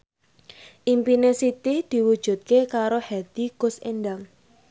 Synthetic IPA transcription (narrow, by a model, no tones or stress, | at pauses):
ʔimpinesit̪id̪̥i̤wud̥ʒ̥ṳt̪̚kekaɾohɛd̪̥i̤kʊsenɖaŋ